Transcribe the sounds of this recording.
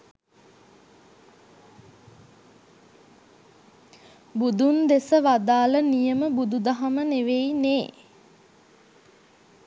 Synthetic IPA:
bud̪und̪esəʋad̪aːlənijəməbud̪ud̪aɦaməneʋejneː

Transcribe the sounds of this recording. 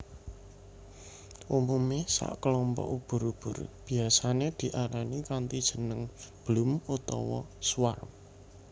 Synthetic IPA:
ʔumumesa̰ʔkəlɔmpɔ̰ʔub̥ʊ̤ɾub̥ʊ̤rb̥iasaned̪̥i̤ʔaɾanikant̪id̥ʒ̥ə̤nəŋb̥lʊmut̪ɔ̰wɔ̰swa̰rm

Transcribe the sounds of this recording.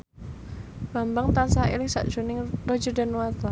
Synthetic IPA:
b̥a̤mbaŋt̪ansaḭlɪŋsa̰ʔd̥ʒ̥o̤nɪŋro̥d͡ʒɔ̤da̤nuwat̪ɔ

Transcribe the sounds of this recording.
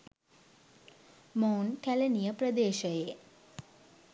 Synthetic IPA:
mawnkælenijəprəd̪eːʃɐje

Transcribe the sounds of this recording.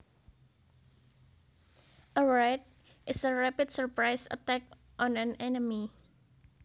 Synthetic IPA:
ʔəɹɛt̚ | ʔɪsəɹapidsəɹpɹajsə̰t̪ɛk̚ | ʔɔ̃nãnɛnəmi

